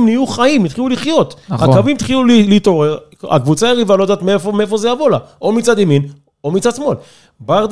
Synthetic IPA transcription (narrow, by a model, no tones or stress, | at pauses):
mnijuχaimit̪χiuliχjo̞t̪hakavimit̪χilulilit̪o̞ʁeʁa̰kvut͡saeʁivalo̞d̪aːt̪meefomeefo̞zejavo̞laʔo̞mit͡sad̪emin | omit͡sad̪smo̞l | baʁd̪